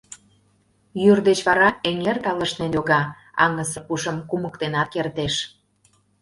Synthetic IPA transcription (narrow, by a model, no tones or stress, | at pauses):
jyrd̪et͡ɕβɑɾɑeŋert̪ɑlə̆ʃnenjʲoɣɑ | ɑ̰ŋə̆sə̆puʃə̆mkumə̆kt̪enɑt̪̚kert̪eʃ